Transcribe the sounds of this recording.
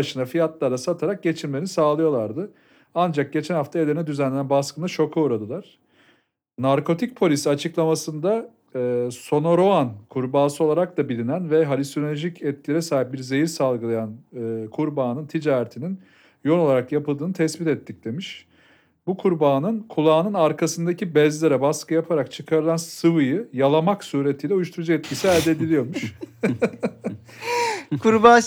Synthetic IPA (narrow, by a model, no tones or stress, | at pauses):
aʃɯnafijat̪lˠaɾd̪ˠasat̪ʰaɾak̚ɟe̞t͡ʃʰiɾmeɾinisaːlˠɯjo̞lˠaɾd̪ɯ | and͡ʒak̚ɟe̞t͡ʃʰɛænhaft̪ʰaelʲeɾinɛd̪yzænlʲːenænbaskɯnaʃo̞kʰauɾad̪ɯlˠaɾ̥ | naɾkʰo̞t̪ʰic̚pʰo̞lʲisiat͡ʃʰɯklˠamasɯnd̪a | so̞no̞ɾo̞ankʰuɾbaːsɯo̞lˠaɾak̚d̪abilʲinænvɛɦalʲist̪onolʲoʒicɛt̪̚cʲʰilʲeɾɛsaːɦip̚biɾze̞jiɾsalˠɡɯlˠajanɯkʰuɾbaːnɯnt̪ʰid͡ʒaːɾet̪ʰinin | jo̞nˠo̞lˠaɾakjapɯlˠd̪ɯːnɯt̪ʰɛsbit̪ɛt̪ʰːic̚d̪emiʃ | bukʰuɾbaːnɯnkʰulˠaːnɯnaɾkʰasɯnd̪acʰibɛzlʲeɾɛbaskʰɯjapʰaɾakt͡ʃʰɯkʰaɾɯlˠansɯvɯjɯjalˠamaksuːɾe̞t̪ʰijlʲɛujuʃt̪ʰuɾud͡ʒɯɛt̪cʰisiælʲd̪ed̪ilʲijo̞ɾmuʃ | kʰuɾbaː